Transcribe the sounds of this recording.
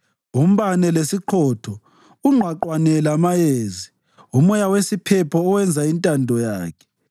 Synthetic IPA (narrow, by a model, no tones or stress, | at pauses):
um̩βanɛlesiǃʰɔtʰɔ | uŋ͡ǃʱwaǃwanɛlamajeːzi | umɔjawesipʰɛpʰɔːwɛnd͡zʱaintʼandʱɔja̰ːkʰɛ̥